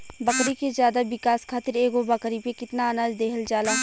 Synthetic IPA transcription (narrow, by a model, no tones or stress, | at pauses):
bɐkɾikezjaːd̪aʋɪkaːskʰaːt̪ɪɾeːɡobɐkɾipekɪt̪naɐnaːd͡ʒd̪eːɦəld͡ʒaːlaː